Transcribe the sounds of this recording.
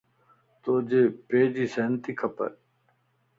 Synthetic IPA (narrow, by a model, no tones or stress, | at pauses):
t̪oːd͡ʑepeːd͡ʑiseːnt̪ikʰɐpɐ̰ɾ